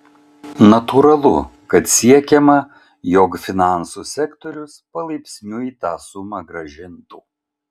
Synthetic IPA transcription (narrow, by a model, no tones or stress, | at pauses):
nɐt̪uɾɐlˠʊ̰kɐt̪sʲiɛkʲɛmɐ | jokfʲɪnɑˑnsuːsʲɛkt̪ɔɾʲʊspɐlˠɐɪpʲsʲnʲʊiːt̪ɑːsʊmɐɡɾɐʒʲɪnt̪uː